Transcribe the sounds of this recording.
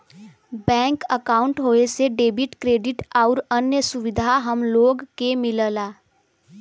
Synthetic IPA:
bɛ̃ːŋkəkaːʊ̃ɳʈɦoːeseɖeːbɪʈkɾeːɖɪʈaʊɾənjəsʊʋɪd̪ʱaɦəmloːɡkemɪləlaː

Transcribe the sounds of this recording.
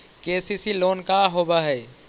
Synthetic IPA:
keːsisiloːnkaɦobaɦɛː

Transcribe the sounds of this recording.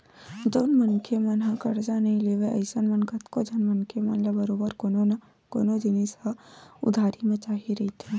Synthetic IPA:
d͡ʒoːnmənkʰemɐ̃nɦãkɐɾd͡ʒanɐɦĩleːʋeʔɐ̰ɪsənmɐnkɐt̪kod͡ʒʱɐnmənkʰemanlabəɾoːbəɾoo | ko̰ːnod͡ʒɪnisaʊ̰d̪ʱaːɾimẽt͡ʃaːɦiɾɐɦit̪ʰe

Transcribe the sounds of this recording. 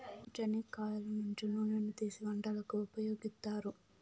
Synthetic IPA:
t͡ʃɐnikaːjɐlɐnuɲt͡ʃinuːnenːut̪iːsiʋɐɳɖɐlɐkuupɐjoːɡist̪aːɾu

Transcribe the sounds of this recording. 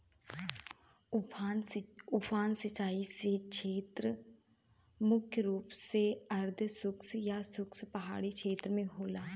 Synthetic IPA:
ʊpʰaːnsət͡ʃːaːisekt͡ʃʰeːt̪ɾ | mʊkʰjəɾuːpseəɾd̪ʱsʊksjaːsʊkspəɦa̰ːɽikʰeːt̪ɾmẽɦoːlaː

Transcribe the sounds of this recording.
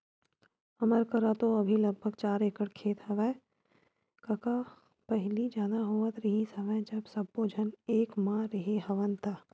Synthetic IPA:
ɐməɾkəɾat̪oɐbʱilɐɡ̚bʱəɡ̚t͡ʃaːɾeːkəɽkʰeːt̪ɦɐʋɛː | kɐka | pɐɦɪlid͡ʒaːd̪aɦoːət̪ɾɪɦisɐʋɛd͡ʒɐbsɐbːod͡ʒʱəneːkmãɾɪɦeɦɐʋənt̪aː

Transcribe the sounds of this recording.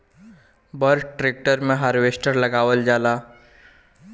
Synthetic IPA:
bəɾʈɾek̚ʈəɾmẽɦaɾʋesʈəɾləɡaːʋəld͡ʒaːla

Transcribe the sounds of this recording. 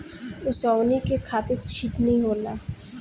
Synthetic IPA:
ʊsɔwnikekʰaːt̪eɾt͡ʃʰiʈnĩɦoːla

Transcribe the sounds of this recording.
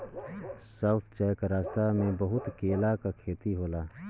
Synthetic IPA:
saʊt̪ʰt͡ʃɛjkɾaːst̪amẽbəɦʊt̪keːlakakʰeːt̪iɦoːlaː

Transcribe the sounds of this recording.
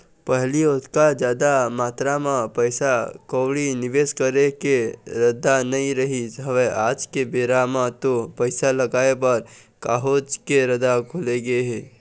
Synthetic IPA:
pɛɦliʊt̪kad͡ʒjaːd̪amaːt̪ɾamãpəɪsakoːɽinɪʋeːskəɾekeɾəd̪anɐɦĩɾɐɦiɦɐʋeʔaːd͡ʒkebeːɾamãt̪opəɪsalɐɡaːebɐɾ | kaːɦoːd͡ʒkeɾɐd̪akʰʊleɡəeɦɛː

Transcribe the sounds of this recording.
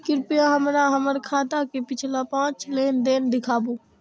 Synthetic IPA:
kɪɾpijaɦəmɾaɦəməɾkʰaːt̪akepɪt͡ʃʰlapãːt͡ʃlend̪end̪ɪkʰabu

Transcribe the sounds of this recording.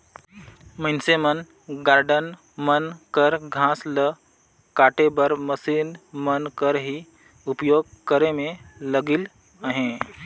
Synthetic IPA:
mənsemən | ɡaːɾɖən | mənkəɾɡʱãːslə | kaːʈebəɾməsiːnmənkəɾɦi | ʊpjoːɡ̚kəɾemẽləɡil | əɦẽː

